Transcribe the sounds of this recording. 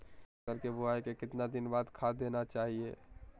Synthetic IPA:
kəɾkebʊaekekɪt̪nad̪ɪnbaːd̪kʰaːd̪eːnat͡ʃaːɦiḛː

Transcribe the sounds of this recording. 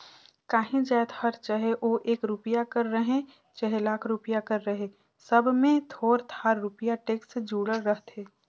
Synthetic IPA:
kaːɦĩd͡ʒɛːt̪hɐɾt͡ʃəɦeʔoːʔeːkɾupɪjakɐɾːɐɦẽ | t͡ʃɛɦlaːkʰɾupijakɐɾːəɦe | sɐbmẽt̪ʰoːɾt̪ʰaːɾːʊpijaʈeːksd͡ʒuːɽəɾːəɦt̪ɦeː

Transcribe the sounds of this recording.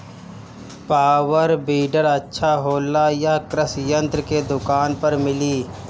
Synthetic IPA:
paːwəɾbiːɖəɾɐtːʃʰaɦoːlːajakɾəsjə̃nt̪ɾəked̪ʊkaːnpəɾmɪliː

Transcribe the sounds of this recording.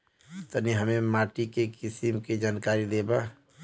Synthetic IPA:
t̪əniɦəmemaːʈikekɪsimked͡ʒaːnkaːɾid̪eːba

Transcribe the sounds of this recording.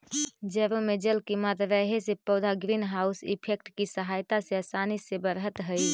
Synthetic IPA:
d͡ʒəɾomed͡ʒəlkimat̪ɾəɦesepəd̪ʱaɡɾinɦausḭpʰek̚ʈkisəɦajt̪aseəsanisebəɾɦət̪ɦəj

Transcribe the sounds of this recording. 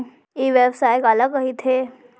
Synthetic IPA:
iʋebsajkaləɡəɦit̪ʰe

